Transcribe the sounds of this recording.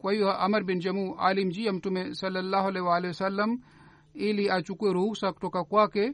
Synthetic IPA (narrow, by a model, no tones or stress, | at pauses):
kwɐiwaʔɐmɐɾbind͡ʒɐmuːʔa̰ːlimd͡ʒiːɐmt̪umẽsɐlːɐlːaːɦɐleʋaːleɐsɐlːɐm | eːliat͡ʃukueɾoːksɐk̚ʈ̪okakuaːke